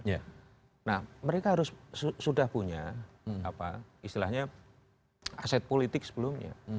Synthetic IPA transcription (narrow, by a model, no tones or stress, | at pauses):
ja | nahməɾekaɦaɾʊssudahpuɲa̰a̰pa̰ist̪ilahɲa | asɛt̪̚polit̪ɪk̚sə̥bəlʊmɲa̰